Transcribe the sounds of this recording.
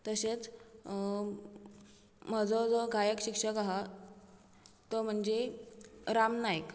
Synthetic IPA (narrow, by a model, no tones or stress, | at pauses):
t̪əset͡s | m̤əd͡zɔd͡zɔɡʱajəkɕikʂəkaɦa | t̪ɔm̤əɳd͡ʑe | ɾamnajk